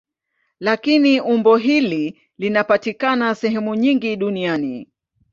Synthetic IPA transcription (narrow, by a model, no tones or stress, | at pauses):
lakiniʔumbɔɦili | linapatikanasɛɦɛmuɲiŋɡiɗuniani